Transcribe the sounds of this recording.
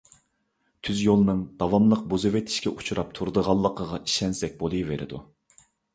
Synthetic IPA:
t̪ʰyzjolˠɨnɨŋd̪̥ɑvɑmlˠəq̚buzɨvet̪ʰɪ̥ʃkʲɛʔut͡ʃʰuɾɑp̚t̪ʰuɾd̪əʁɑlˠːəqʰəʁɑʔi̥ʃɛnsɛk̚ʲbolˠɨjveɾʔɪ̰d̪u

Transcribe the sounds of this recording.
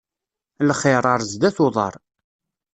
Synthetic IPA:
lχɪɾˤɑɾˤzd̪æθʊðˤɑ̰ɾˤ

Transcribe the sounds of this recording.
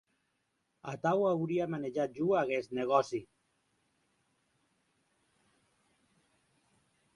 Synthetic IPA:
a̰t̪awawɾiamaneʒat̪̚ʒuaɣɛst̪neɣ̞ɔsi

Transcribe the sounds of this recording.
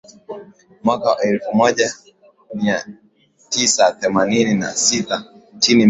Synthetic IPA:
mwakaʔɛlfumɔʄa | mia | tisaθɛmaninina̰sitat͡ʃini

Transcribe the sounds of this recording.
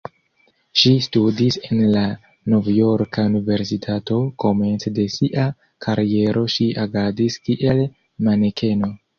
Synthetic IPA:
ʃistudise̞nla | no̞vjo̞ɾkaunive̞ɾsitʰato̞ko̞me̞nt͡sde̞siʔa | kʰaɾie̞ɾo̞ʃiaɡadiskiʔel | manekʰe̞no̞

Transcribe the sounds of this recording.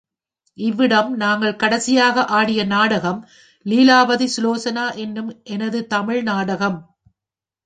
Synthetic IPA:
ʔɪʋːɪɽɐmnaːŋɡɐɭkɐɽɐsɪjaːɣɐʔaːɽɪjɐnaːɽɐɣɐm | liːlaːʋɐðisloːsɐnaːʔɛnːɯmʔɛnɐðɯt̪ɐmɪɻnaːɽɐɣɐm

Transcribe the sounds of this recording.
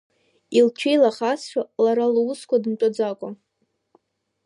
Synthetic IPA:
ilt͡ʃʷʰejlaχasʃʷᶣalaɾalowuskʷadɨmʈ͡ʂʼad͡zakʷʼa

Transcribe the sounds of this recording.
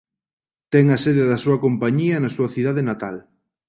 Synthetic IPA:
t̪ɛŋaseðɪðɐsuɐkompaɲiɐnɐsuɐθiðaðenat̪al

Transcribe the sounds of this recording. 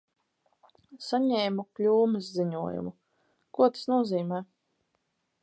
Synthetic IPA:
saɲɛːmuklʲuːmɨsziɲuɔjṵmu | kuɔt̪ḁsnuɔziːmɛː

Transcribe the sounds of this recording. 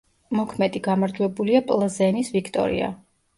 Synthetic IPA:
mɔkʰmɛd̪iɡamaɾd͡ʒwɛbuliapʼlˠzɛnisvikʰt̪ʼɔ̰ɾḭa̰

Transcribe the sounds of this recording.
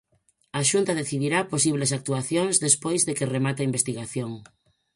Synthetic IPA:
aʃunt̪ɐðeθiðiɾaposiβ̞lesak̚t̪uaθjoŋzðespojzðekeremat̪aimbest̪iɣaθjoŋ

